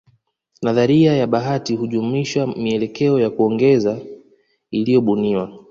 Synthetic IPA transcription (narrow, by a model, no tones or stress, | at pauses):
naðaɾiajaɓaɦatiɦuʄumiʃamiɛlɛkɛɔjakuɔŋɡɛza | ilijɔɓuniwa